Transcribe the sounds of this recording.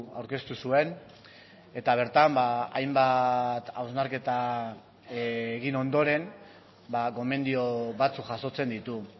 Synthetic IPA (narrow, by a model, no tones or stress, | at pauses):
awɾke̞st̪usue̞n | e̞t̪aβ̞e̞ɾt̪ambaa̰jmbat̪awzmaɾke̞t̪a | eɣino̞nd̪o̞ɾe̞m | bako̞me̞nd̪io̞βat͡sukʝaso̞t͡se̞nd̪it̪u